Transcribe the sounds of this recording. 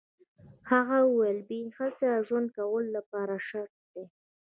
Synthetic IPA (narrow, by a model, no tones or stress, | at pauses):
haɣawelbihaseaʒwand̪̚kawəlːapɑɾaʃaɾʈ̚d̪e